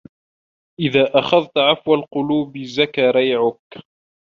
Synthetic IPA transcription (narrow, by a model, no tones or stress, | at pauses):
ʔɪðaːʔaxaðt̪ʕafwalqʊluːbzakaːɾˤɑjʕʊk